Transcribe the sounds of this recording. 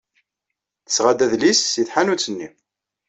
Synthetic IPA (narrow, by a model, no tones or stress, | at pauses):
θə̥sʁad̪æðlisːiθħanut͡sːənːi